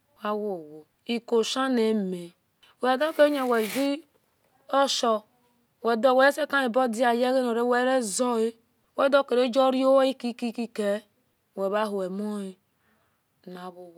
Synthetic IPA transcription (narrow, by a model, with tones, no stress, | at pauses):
wa˦wo˨wo˨ | i˨ko˨ʃa˦ne˨˦me˨ | we˨ɡa˦ke˦ɲe˦˨we˨vi˦ | o˦ʃɔ˨ | we˨do˦˨we˨˦e˦se˦ka˦i˨bo˦di˦a˨je˦ɣe˦no˨ɾe˦we˦ɾe˦zɔ˦e˦ | we˦do˦˨ke˨ɾe˦d͡ʒo˦ɾi˦o˦wi˦ki˦ki˦ki˦ke˦˨ | we˨βa˦ɦu˨e˨mo˦i˦˨ | na˨βu˨w